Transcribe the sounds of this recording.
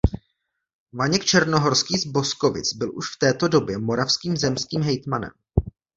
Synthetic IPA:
vaɲɛkt͡ʃɛɾnoɦo̞ɾskiːzbo̞sko̞vɪ̰t͡sbɪlʔṵʃft̪ɛːt̪o̞do̞bjɛmo̞ɾafskiːmzɛmskiːmɦɛjt̪manɛ̰m

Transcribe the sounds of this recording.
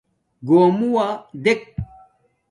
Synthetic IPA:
ɡoːmuwad̪ek̚

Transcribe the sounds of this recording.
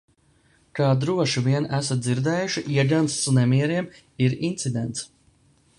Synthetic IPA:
kaːd̪ɾuɔʃiviɛnæsat̪̚d̪ziɾd̪ɛːjuʃiʔiɛɡanssnɛmiɛɾiɛm | iɾint̪sid̪ɛnt̪s

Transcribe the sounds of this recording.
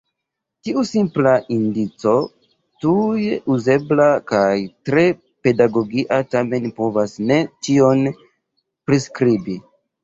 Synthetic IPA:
tiusimplaʔindit͡so̞ | tuje̞ʔuze̞blakajtɾe̞ | pe̞daɡo̞ɡiʔatame̞npo̞vasne̞t͡ʃio̞n | pɾiskɾibi

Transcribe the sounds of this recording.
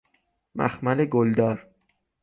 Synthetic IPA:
mæ̰xmæleɡold̪ɒːɾ

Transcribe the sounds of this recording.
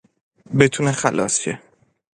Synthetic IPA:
bet̪ʰuːnexælʔɒ̰ːse

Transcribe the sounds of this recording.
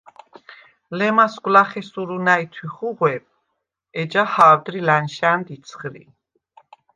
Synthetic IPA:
lɛmasɡʷʼwlaχɛsuɾunait̪ʰwiχuʁwɛb̚ | ɛd͡ʒahaːwd̪ɾilanʃand̪it̪sʰχɾḭ

